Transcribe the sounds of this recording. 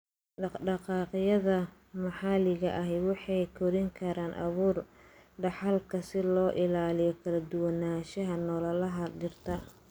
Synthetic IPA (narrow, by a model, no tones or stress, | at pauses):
ɖɑɖɑqɑːqɪjɐðɐ | mɑħɑlɪɣɐʔɐɦɛwɑħɑjkʰɔɾɪŋkʰɐɾaːnʔɑ̰βuːrɖɑħɑlkʰɐsɪlɔːʔɪlaːlɪjɔkʰɐlɐd̪ʊwɐnaːʃɐɦɐnɔːlɐlɐɦɐdɪrt̪ʰɐ